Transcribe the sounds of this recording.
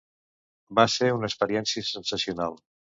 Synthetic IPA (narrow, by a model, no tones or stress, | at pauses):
baseɾunəspəɾiɛnsiəsənsəsiunalˠ